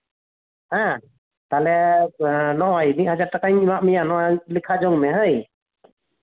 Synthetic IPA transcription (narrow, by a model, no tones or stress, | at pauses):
a | t̪alɛ | nɔajniʔhad͡ʒaɾtakajmimaʔmijanɔwalikʰad͡ʒɔŋmɛɦɯj